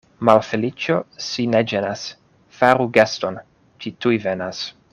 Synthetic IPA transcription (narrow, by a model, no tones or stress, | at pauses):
malfelit͡ʃosined͡ʒenas | faɾuɡaston | t͡ʃitujvenas